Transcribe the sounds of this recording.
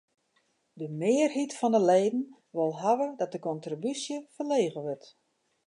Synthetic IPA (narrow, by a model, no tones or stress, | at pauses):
dəmɪːərɦitfɔndəleːdn̩ | ʋɪlˠɦaʋədɔt̚dəkɔntrobysjəfərleːɣəʋərt